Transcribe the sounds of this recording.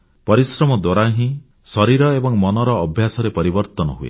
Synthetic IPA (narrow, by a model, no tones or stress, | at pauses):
pɔɾisɾɔmɔd̪waɾaɦĩ | sɔɾiɾɔebɔŋmɔnɔɾɔːbʱjasɔɾepɔɾibɔɾt̪ɔnɔ̰ɦuḛ